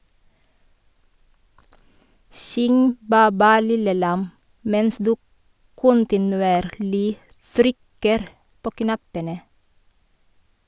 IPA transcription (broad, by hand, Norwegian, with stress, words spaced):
ˈsʏŋ ˈbæː ˈbæː ˈlɪlə ˈlɑm ˈmɛns ˈdʉː ˈkʊntɪnʉˌeːɾlɪ ˈtɾʏkəɾ ˈpoː ˈknɑpənə